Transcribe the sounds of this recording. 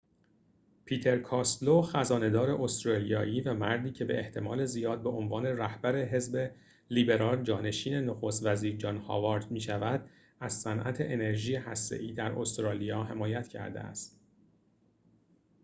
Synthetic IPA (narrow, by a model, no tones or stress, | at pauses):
pʰiːt̪ʰe̞ɾkʰɒːst̪loxæzɒːne̞d̪ɒːɾe̞ʔost̪ɾɒːlijɒːʔiːvæmæɾd̪iːcʰe̞be̞̰ʔeht̪ʰe̞mɒːle̞zijɒːd̪̚be̞ʔo̞nvɒːne̞ræhbæɾe̞ɦe̞zbe | liːbe̞ɾɒːld͡ʒɒːne̞ʃiːne̞noxost̪væziːɾd͡ʒɒːnhɒ̰ːvɒːɾd̪miːʃævæd̪̥ | æz̥sænʔæ̰t̪ʰe̞ʔene̞ɾʒiːjehæst̪e̞̰ʔiːd̪æɾo̞st̪ɾɒːlijɒːɦe̞mɒːjæt̪ʰcʰæ̰ɾd̪ḛæ̰st̪